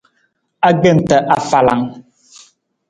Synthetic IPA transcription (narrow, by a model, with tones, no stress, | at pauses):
a˦ɡe˦˨n̩˨tə˨ʔa˨fa˨la̰˨ŋ